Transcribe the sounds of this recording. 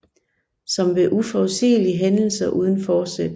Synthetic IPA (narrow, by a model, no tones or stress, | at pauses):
sɒ̽mʋe̝ʔufɒsḭːliɦenl̩sɐʔuːð̞ˠn̩fɒ̥ːsed̥